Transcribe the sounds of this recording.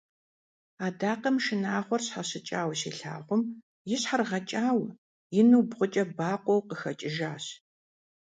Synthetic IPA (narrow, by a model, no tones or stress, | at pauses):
aːdaːqɐmʃɨnaːχʷɔrɕħaɕɨt͡ʃʼaːwsiːɬa̰ːʁʷʊm | jɪɕħarʁɐt͡ʃʼaːw | jɪnuːbʁʷʊt͡ʃʼɐbaːqʷʼɔwqəxɐt͡ʃʼɪʒaːɕ